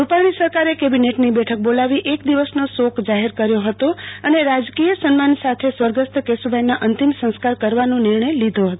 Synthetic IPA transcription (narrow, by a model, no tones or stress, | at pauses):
upaɭ̃isəɾkaɾekebineʈnibɛʈʰək̚bolaʋiʔekd̪iʋəsnosokʰd͡ʒaɦeɾkəɾjoɦət̪oəneɾad͡ʒkijəsənmansat̪ʰesʋəɾɡəst̪kesubʱajnaʔənt̪imsə̃ñskaɾkəɾʋanũniɾɳəjlid̪ʱoɦət̪o